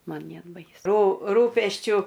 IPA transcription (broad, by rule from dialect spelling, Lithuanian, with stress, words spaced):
ˈmɐn ˈnʲeːt ˈbɐɪsʊ ruː ˈruːpʲɛsʲt͡ʃʲʊ